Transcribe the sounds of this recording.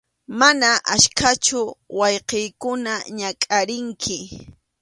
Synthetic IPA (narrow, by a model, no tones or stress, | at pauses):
manaʔaʃkʰat͡ʃʊwɑjqejkʊnaɲakʼaɾɪŋkʰɪ